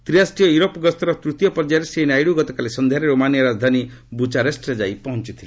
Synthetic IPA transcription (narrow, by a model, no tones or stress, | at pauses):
t̪ɾiasʈijɔjuɾopɡɔst̪ʰɔɾɔt̪ɾut̪jɔpɔɾd͡ʒaɾesenajɽuɡɔt̪ɔkalesɔnd̪ʱjaɾeɾomanijɔɾad͡ʒd̪ʱani | but͡ʃaɾesʈɾed͡ʒajpɔɦɔnt͡ʃit̪ʰile